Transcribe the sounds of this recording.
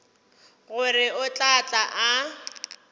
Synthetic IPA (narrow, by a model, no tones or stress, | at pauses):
ɣʊrɪʊt͡ɬʼat͡ɬʼaʔa